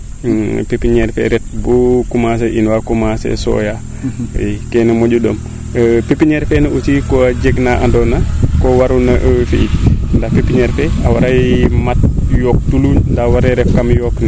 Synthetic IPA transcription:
pepːiɲɛɾfɛ̰ɾɛt̚bukumas̬eʔinwakumasḛsɔ̰ːja | kɛnemoɟuɗo̰m | əpipːiɲɛɾfɛnɐʔusikɔaɟeɡnaʔandɔnakɔwaɾunɐʔəfḭit̚ndapepiɲɛɾfɛawaɾajmat̚jɔːk̚tuluɲndawaɾɛɾɛfkamjɔkni

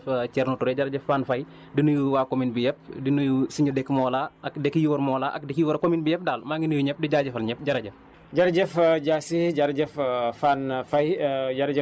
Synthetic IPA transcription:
cɛɾnutuɾɛɟaɾɐɟɛfːaːnfɐj | dinujuwaːkominbijɛp̚dinujusiɲudɛkːmɔːlaːʔɐkdɛkːjuwɐɾmɔːlaːʔɐ̰k̚dɛkjuwɐɾɐkominbijɛp̚daːlmaːŋɡinujuɲɛp̚diɟaːɟɐfɐlɲɛp̚ɟɐɾɐɟɛf | ɟaɾɟɛfɟasiɟaɾɟɛffanfɐjɟaɾɟɛ

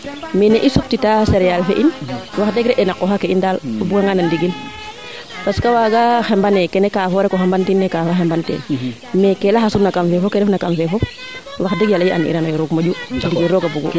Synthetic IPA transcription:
meneʔisup̚titaseɾɛjalfeʔinwaxdɛɡɾɛʔɛnakːɔxakeindalobuɡaŋanandiɡin | paskawaɡaxɛmbanɛkɛnɛkafɔɾɛkɔxɛmbantinːekafoxɛmbantɛ̰ːn | mɛkɛlaxasunakamfɛfokɛɾɛfnakamfɛfɔ | waxdɛɡjaljiʔa̰nḭɾanajoɾuɡmaɟudiɡiɾɔɡabuɡṵ

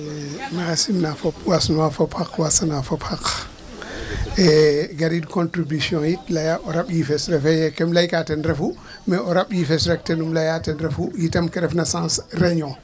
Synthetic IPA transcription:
nasimnafopwasnuwafopʰakwasanafopʰak | ɛɡaɾidkõntɾibisjɔ̃jitlajaʔoɾaɓjifɛsɾɛfɛjɛkɛmlajkatɛnɾɛfu | mɛoɾaɓjifɛsɾɛk̚tɛnumlajatɛnɾɛfujitɐmkɛɾɛfnasãːsrɛɲɔ̃

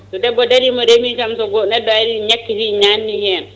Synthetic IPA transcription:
tɔdɛbːɔdaɾimɔɾemit͡ʃamsɔɡɔnɛdːɔaɾiɲakːisiɲanːihɛn

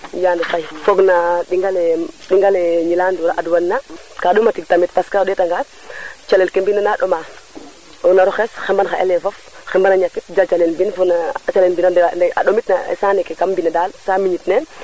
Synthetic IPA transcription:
jaːndɐfajfoɡnaɗiŋɡalɛɗiŋɡalɛɲilaːnduɾaʔadwanːakaɗumatiɡ̚tamit̚paskaɗɛtaŋɡa | t͡ʃalɛlkembinanaɗɔma | ɔnaɾɔxɛsxɛmbanxaʔḛlɛfɔf | xɛmbanaɲakːit̚d͡ʒat͡ʃalɛnbinfɔɡnaat͡ʃalɛnbinadɛndɛa̰ɗomitnaɛ̰saːnɛkɛkambinadaːlsamiɲitnɛn

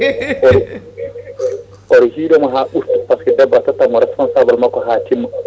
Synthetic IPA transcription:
ɔɾ | ɔɾhiːɗɔmɔɦaːɓustpaskɛdɛbaɾtatamɔɾɛspɔnsaːbalmakːɔɦaːtimːa

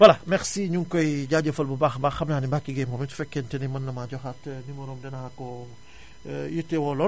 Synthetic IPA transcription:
bɐlɐmɛxsiɲuŋkɔjɟaːɟɐfɐlbɐbaxbaxɐmnaːnibakːiɡɛmɔmitu̥fɛkːɛntɛnimɐnːɐmaɟɔxatnimɐɾɔmdɛnɐakɔ | jutːɛwɔlɔ

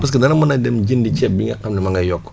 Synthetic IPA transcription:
pas̬kenanamunadɛmd͡ʒindit͡ʃɛbiŋɡakamnimaŋɡajɔkː

